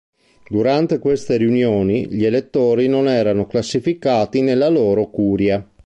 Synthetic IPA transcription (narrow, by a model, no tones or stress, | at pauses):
d̪uɾant̪ekwest̪eɾiunjoːniʎielet̪ːoːɾinonɛːɾanoklasːifikaːt̪inelːaloːɾokuːɾja